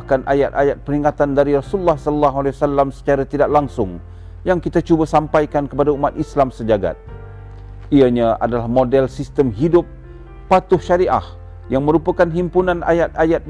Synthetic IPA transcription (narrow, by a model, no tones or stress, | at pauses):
kanʔa̰jat̪̚ajat̪̚pəɾiŋat̪andaɾiɾasuulːahsələlːaɦalewasalːamsə̥t͡ʃaɾat̪idaʔlaŋsʊŋ | jaŋkit̪at͡ʃubasampajkankəpadaumat̪̚islamsəd͡ʒaɡa̰t̪̚ | iaɲaʔa̰dalahmodɛlsist̪əmɦidʊp̚ː | at̪ʊhʃaɾiʔa̰h | jaŋmə̃ɾupakanɦimpunãna̰jat̪̚ajat̪̚